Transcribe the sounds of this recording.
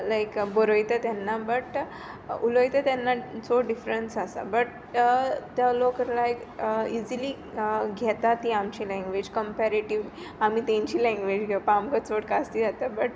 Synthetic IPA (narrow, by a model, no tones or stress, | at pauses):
lajkbəɾojt̪ət̪janːabəʈ | ulojt̪ət̪janːat͡soɖifɾənsasa̰bəʈ̚ | t̪jalokəɾlajk | iziliː | ɡʱɛt̪at̪ːiamt͡ɕilɛ̃ŋɡʋed͡ʑkəmpɛɾeʈiʋ | amiːt̪ẽɲt͡ɕiːlɛ̃ŋɡʋed͡ʑɡʱepamkət͡soʈkast̪iːd͡zat̪abəʈ